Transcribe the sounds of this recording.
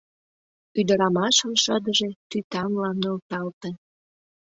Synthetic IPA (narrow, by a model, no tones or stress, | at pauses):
yd̪ə̆ɾɑmɑʃəmʃəd̪əʒet̪yt̪ɑmlɑnːolt̪ɑlt̪e